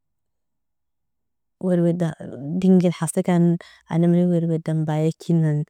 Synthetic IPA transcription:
weɾwedadiŋɡinħasekan | a̰namɾiweɾwedambajekʰinːan

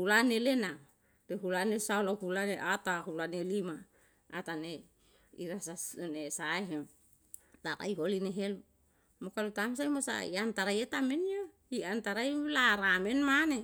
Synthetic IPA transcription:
hulanelena | deɦulanesaolahulaneʔat̪ahulanelima̰ː | t̪ane | ḭɾasasnesaeɦem | t̪aɾa̰iɦolineɦelu | mokalut̪ams̬ajmosa̰ḭant̪aɾajet̪amenjo | iant̪aɾajlaɾamenmane

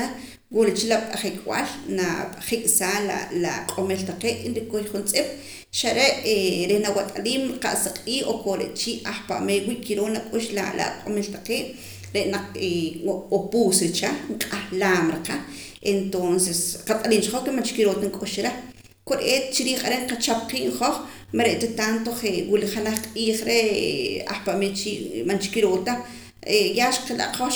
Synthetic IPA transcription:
a | wuɾet͡ʃilapʼaχikʼwa̰lnaχikʼsaːla̰la̰qʼomelt̪aqeːʔinɾikojχunt͡sʼip̚ʼ | ʃaɾeʔeɾenawat̪ʼaliːmɾqa̰ʔsaqʼiːʔokoɾḛʔt͡ʃiʔaχpa̰ʔmeːjwiʔkʰiɾoːnakʼuʃla̰la̰qʼomelt̪ḁqeːʔ | ɾeʔnaq͡χeopuːsɾit͡ʃaɴqʼahlaːmɾiqa | ent̪onsesqat̪ʼaɾiːnt͡ʃiχoχkemant͡ʃkiɾoːt̪aŋkʼuʃɾa | koɾʔett͡ʃiɾiːχaɾeɴqat͡ʃap̚qiːʔŋχoχ | maɾeʔt̪et̪ant̪oχewiliχalaχqʼiːχɾea̰χpaʔmeːt͡ʃiːʔmant͡ʃi̥kiɾoːt̪a | ejaːʃqela̰ʔqoχ

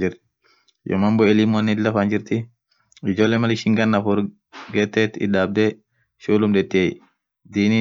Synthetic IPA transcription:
d͡ʒiɾ | jɔ̰mambɔelimɔnilafaɲd͡ʒiɾti | id͡ʒɔlɛmaliʃiŋɡanːafuɾ | ɡɛtːɛtḭɗab̚dɛ | ʃolumɗɛtːiaj | diːni

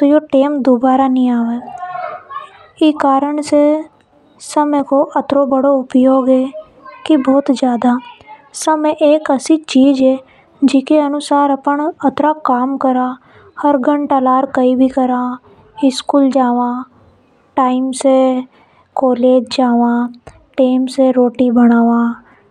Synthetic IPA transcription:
t̪ojoːʈeːmd̪oːbaːɾaːnĩːaːʋeː | ɪkaːɾəɳseː | səmẽːkoːʔət̪ɾoːbəɽoːʊpjoːɡeː | kɪbɔːt̪d͡ʒjaːd̪aːsəmẽʔeːkəsĩːt͡ʃiːd͡ʒeː | d͡ʒɪkeənʊsaːɾəpəɳət̪ɾaːkaːmkəɾaː | həɾɡəɳʈalaːɾkəiːbʱiːkəɾãː | ɪskuːld͡ʒaːʋãː | ʈaːimseː | koːleːd͡ʒd͡ʒaːʋãː | ʈeːmseːɾoːʈiːbəɽ̃aːʋãː

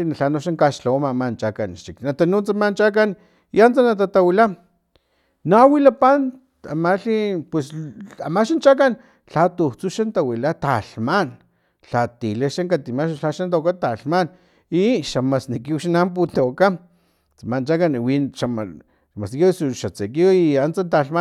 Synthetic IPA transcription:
naɬanoʃaŋkaʃɬawamamant͡ʃakanʃiknat̪anut͡samant͡ʃak̬an | iant͡sanat̪at̪awila | nawilapan | amaɬipwesamaʃant͡ʃakan | ɬat̪ut͡suʃant̪awilat̪aɬman | ɬat̪ileʃaŋkat̪imaʃɬaʃant̪okat̪aɬman | iʃamasnikiuʃanamp̬ut̪eka | t͡samant͡ʃakanwinʃama | ʃamasnikisuʃat͡sekiiant͡sant̪aɬma

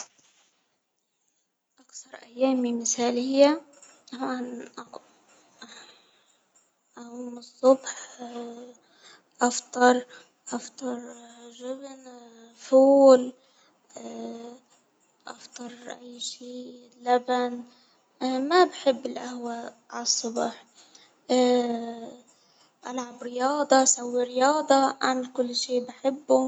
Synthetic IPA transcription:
ʔɑkθɑɾˤʔajːaːmːimɪθaːlɪjːat̪ɑmʕanʔ | ʔaʔuːmɨsˤːʊbħ | ʔɑft̪ˤɑɾˤ | ʔɑft̪ˤɑɾˤ | ʒɪbn | fuːl | ʔɑ̰ft̪ˤɑɾˤʔa̰jːʃiː | lːaban | mabħɪbːɪlʔahwa | ʕalsˤːʊbɑħ | ʔalʕabɾɪjɑːd̪ˤɑsawːiɾɪjɑːd̪ˤɑʔanlkʊlːʃiːbɪħɪbːu

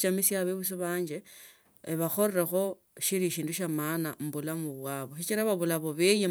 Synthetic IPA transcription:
t͡ʃamisjaβeβus̬iβaːɲd͡ʒe | βaxoreɾexo̞ | ʃiɾiʃiːnduʃamanam̩bulamuβwaβo̞ʃit͡ʃiɾaβaβulaβo̞βeje

